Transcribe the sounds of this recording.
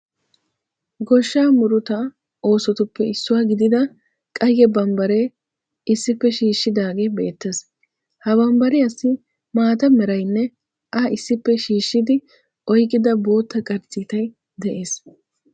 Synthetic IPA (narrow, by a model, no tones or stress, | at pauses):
ɡɔʃːaːmʊɾʊt̪ɐ | o̞ːsɔt̪ʊpːɛɪsːʊwaːɡɪd̪ɪd̪ɐ | kʼɐjːɛbɐmbɐɾe̞ː | ɪsːɪpːɛʃiːʃːɪd̪aːɡe̞ːbe̞̰ːt̪ːes | hɐbɐmbɐɾɪɐsːɪ | maːt̪ɐmɛɾɐjnːɛ | ʔɐɪsːɪpːɛʃiːʃːɪd̪ɪ | ʔɔjkʼːɪd̪ɐbo̞ːt̪ːɐkʼɐɾt͡sːiːt̪ɐj | d̪ɛʔeːs